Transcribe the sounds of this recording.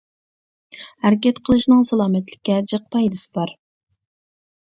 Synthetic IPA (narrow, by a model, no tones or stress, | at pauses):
hæɾɪkʲɛt̪qʰəlˠɨʃnɨŋsɑlˠɑːmɛt̪lɪ̥kʲːɛd͡ʒəq̚p̪ɑjd̪ɨsɨ̥bɑɾ